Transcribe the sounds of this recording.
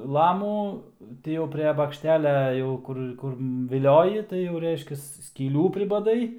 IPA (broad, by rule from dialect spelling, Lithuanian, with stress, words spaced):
ˈlˠɑːmuː ˈtʲɪ jɛʊ pʲrʲɛ bɐkʃʲˈtʲæːlʲɛ ˈjɛʊ kʊr ˈkʊr ʋʲɪˈlʲoːjɪ tɐɪ jɛʊ ˈrʲɛɪʃʲkʲɛs sʲkʲiːˈlʲuː pʲrʲɪbɐˈdɐɪ